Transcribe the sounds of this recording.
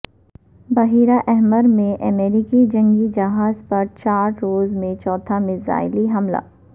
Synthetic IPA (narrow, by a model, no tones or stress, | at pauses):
bɐɦiːɾaʔɛɦməɾmẽʔɐmeːɾikid͡ʒɐ̃ŋɡid͡ʒɐɦaːzpɐɾt͡ʃaːɾɾoːzmẽt͡ʃɔːt̪ʰamɪ̃za̰ːɪliɦɐmla̰ː